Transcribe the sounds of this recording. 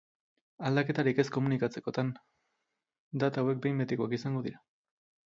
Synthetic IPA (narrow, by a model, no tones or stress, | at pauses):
ald̪ake̞t̪aɾike̞sko̞munikat͡se̞ko̞t̪an | d̪at̪aːwe̞k̚be̞jmbet̪ikoakisaŋɡo̞ðiɾa